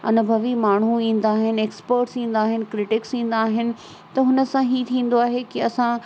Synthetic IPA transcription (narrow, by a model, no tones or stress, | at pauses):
ɐ̰nʊbʱɐʋimaːɳ̤uĩːn̆d̪aːɦɪnɪeːkspəɾʈsĩːn̆d̪aːɦɪnɪ̆kɾɪʈɪksĩːn̆d̪aːɦɪnɪ̆ | t̪ɐɦʊnə̆sãɦit̪ʰĩːn̆d̪oaːɦekiɐsã